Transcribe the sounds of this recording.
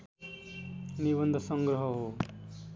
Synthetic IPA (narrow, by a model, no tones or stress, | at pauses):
nibʌnd̪ʱʌsʌŋɡɾʌɦʌɦo